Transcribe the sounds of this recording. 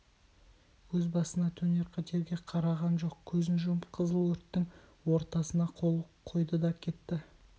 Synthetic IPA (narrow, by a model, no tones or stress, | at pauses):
wɵzbɑsənɑt̪ʰɵne̞ɾqʰɑt̪ʰe̞ɾɡʲe̞qʰɑɾɑʁɑnʒo̞qkʲʰɵzɪnʒʊqʰəzəlˠwɵɾt̪ːɪŋwo̞ɾt̪ɑsənɑqʰo̞lˠqʰojd̪əd̪ɑkʲʰe̞t̪ːɪ